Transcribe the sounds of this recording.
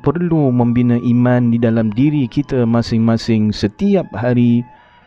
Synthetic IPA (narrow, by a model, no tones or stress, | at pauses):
pərlumə̃mbinəʔimãndidalamdiɾikit̪amãsɪŋmãsɪŋsət̪iap̚haɾi